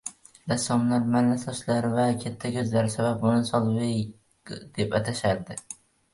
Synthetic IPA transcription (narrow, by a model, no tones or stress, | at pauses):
lasɒmlaɾmanːasɒʃlaɾvakʲʰet̪ʰːakʲʰɵzlaɾɪsabaponɪsɒlˠvɪj | d̪̥e̞pat̪ʰaʃaɾd̪ɪ